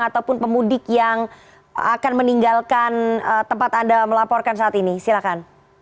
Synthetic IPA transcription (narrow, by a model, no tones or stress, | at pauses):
ŋat̪awpʊnpəmudɪkjaŋ | akanməniŋɡalkanət̪əmpat̪andaməlapɔrkans̬aat̪inisilakan